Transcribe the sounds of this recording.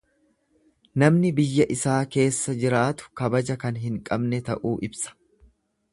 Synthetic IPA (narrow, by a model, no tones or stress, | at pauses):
nɐmnɪbɪjːɐʔɪsaːke̞ːsːɐd͡ʒɪɾaːt̪ʊ̥kɐbɐd͡ʒɐkɐnɦɪŋkʼɐbnɛt̪ɐ̰ʔuːʔɪbsɐ̥